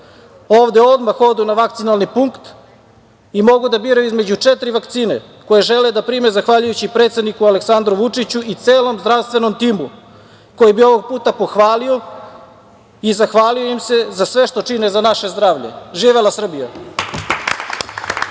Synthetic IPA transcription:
o̞ːʋd̪eo̞d̪maxo̞d̪unaʋakt̪sinalˠnipuŋkt̪ | imo̞ɡud̪abiːɾaizme̞d͡ʑut͡ʂet̪ɾiʋakt̪siːnḛ | ko̞jeʒe̞led̪apɾime̞zaxʋaʎujut͡ɕipɾet̪sed̪nikualeksand̪ɾuʋut͡ʂit͡ɕuʔit̪se̞ːlo̞mzd̪ɾaʋst̪ʋe̞no̞mt̪iːmu | ko̞jibio̞ʋo̞ɡ̚puːt̪apo̞xʋaːlio̞ | izaxʋaːlio̞imse̞zasʋe̞ʃt̪o̞t͡ʃine̞zanaʃe̞zd̪ɾaːʋʎḛʒiːʋelasr̩bija

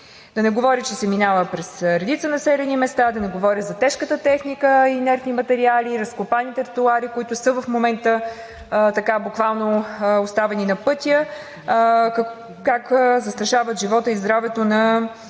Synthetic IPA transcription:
d̪ɐnɛɡovɔɾʲit͡ʃɛsɛminavəpɾɛsɾɛd̪it̪sənɐsɛlʲɛnimɛst̪ad̪ɐnɛɡovɔɾʲəzɐt̪ɛʃkət̪ət̪ɛxnikəinɛɾfnimɐt̪ɛɾialiɾɐskopanit̪ɛɾt̪uaɾikʊit̪ʊsɤvəfmomɛnt̪ə | t̪ɐkabukvalˠnoost̪avɛninɐpɤt̪ʲijə | kakːzɐst̪ɾɐʃavət̪ʒivɔt̪əizd̪ɾavɛt̪onɐ

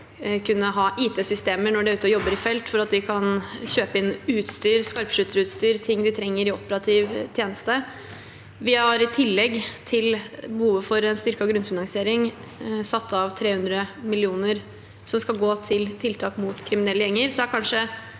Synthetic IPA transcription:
kʰʉnːəɦɑːʔiːt̪ʰeːsʏst̪eːməɳɔɖɛʉːt̪əɔjɔbːəɾɪfɛlt̪fɔɾɑt̪ʋɪkʰɑnɕøːpəɪnːʉːt̪st̪yːɾskɑɾpʂʉt̪ːəɾʉt̪st̪yːɾt̪ʰɪŋːd̪ɪt̪ʰɾɛŋːəɾɪɔpəɾɑt̪ʰɪʋt̪ʰjeːnəst̪ə | ʋɪhɑɾɪt̪ʰɪlːɛɡt̪ʰɪlbəhuːʋəfɔɾɛnst̪ʏɾkəɔɡɾʉnfɪnɑŋsɪeːɾɪŋ | sɑt̪ːɑʋt̪ʰɾeːhʉnd̪ɾəmɪlɪuːnəɾ | sɔmskɑlɡoːt̪ʰɪlt̪ʰɪlt̪ʰɑːkmut̪kʰɾɪmɪnɛlːəjɛŋːəɾsɔæɾkʰɑnʂə

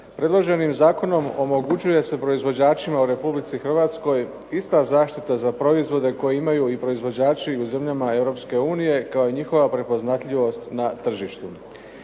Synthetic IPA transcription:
pɾʔe̞d̪lˠo̞ʒe̞nimzaːko̞no̞mo̞mo̞ɡut͡ɕuje̞se̞pɾo̞izʋo̞d͡ʑaːt͡ʃimauɾe̞publit̪sixr̩ʋat̪sko̞j | ist̪azaːʃt̪it̪azapɾo̞izʋo̞d̪e̞ko̞jeimajuipɾo̞izʋo̞d͡ʑaːt͡ʃiuze̞mʎamae̞vɾo̞pske̞uːnije̞kao̞iɲixo̞ʋapɾe̞po̞znat̪ʎiʋo̞st̪nat̪r̩ʒiʃt̪u

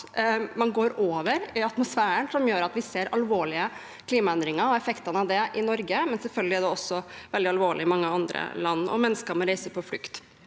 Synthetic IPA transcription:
mɑnɡoːɾoːʋəɾɪɑt̪mʊsfæːəɳsɔmjøːɾɑt̪ʋɪseːɾɑlʋoːɭɪə | kʰliːmɑɛnd̪ɾɪŋɑɾɔɛfɛkt̪ənəɑʋd̪ɛʔɪnɔɾɡəmɛnsɛlfœlɡəlɪɛɖɛɔsːɔʋɛld̪ɪɑlʋoːɭɪɪmɑŋːəɑnd̪ɾə̰lɑnːɔ̰mɛnːəskəɾmɔɾæɪsəpʰɔflʏkt̪

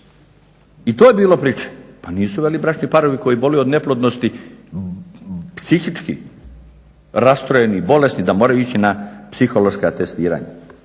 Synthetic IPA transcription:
it̪oːjebiːlo̞pɾiːt͡ʃe̥paniːsuʋelibɾat͡ʃnipaɾo̞ʋiko̞jibo̞lejuod̪neplˠod̪nost̪i | psixit͡ʃkḭ | ɾast̪ɾoje̞nibo̞le̞snid̪amoɾajuit͡ɕinapsixo̞lo̞ʃkat̪e̞st̪iːɾa̰ɲa̰

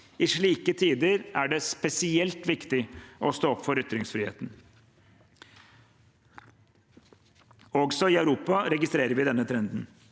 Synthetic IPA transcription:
ɪʂɭiːkət̪ʰiːd̪əɾæɖɛspɛsɪɛlt̪ʋɪkt̪ɪɔst̪oːɔpːfɔɾʏt̪ɾɪŋsfɾɪːhḛːt̪n | ɔɡsɔɪœʉɾuːpɑɾɛɡɪst̪ɾeːɾəɾʋɪd̪ɛnːət̪ʰɾɛnd̪n̩

